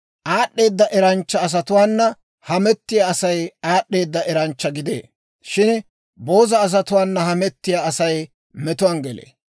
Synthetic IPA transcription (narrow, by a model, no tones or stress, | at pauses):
ʔaːɗːe̞ːd̪ːɐʔɛɾɐnt͡ʃːɐːs̬ɐt̪ʊwaːnːɐ | hɐmɛt̪ːɪjaɐsɐjaːɗːe̞ːd̪ːɐʔɛɾɐnt͡ʃːɐɡɪd̪ḛː | ʃɪn | bo̞ːzɐːs̬ɐt̪ʊwaːnːɐhɐmɛt̪ːɪjaɐsɐj | mɛt̪ʊwaːnɡɛlḛː